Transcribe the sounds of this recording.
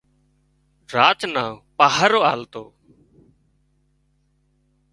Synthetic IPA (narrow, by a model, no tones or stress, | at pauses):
ɾaːt͡ʃnaːpaːɦəɾoːaːlt̪oː